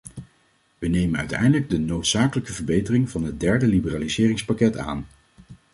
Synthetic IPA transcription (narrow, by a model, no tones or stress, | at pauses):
ʋənejmənœ̰ɥtɛ̰jndələɡ̚dənowtsaːkələkəvəɹbejtərɪŋvɑnɦət̚dɛɹdəlibəraːlizɪːrɪŋspakɛta̰ːn